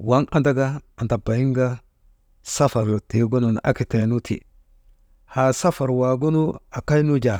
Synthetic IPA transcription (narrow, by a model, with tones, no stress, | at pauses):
wa˦ŋa˨nda˦ɡa˦a˨nta˨ba˨ji˦ŋɡa˦ | sa˦fa˨ɾlo˨ti˨˦ɡo˦nu˨n˨ʔa̰˦ki˨te˨nu˦tʰḭ˨ | ha˨sa˦fa˨ɾwa˨ɡu˦nu˦a˨ka˦jnu˦d͡ʒa˨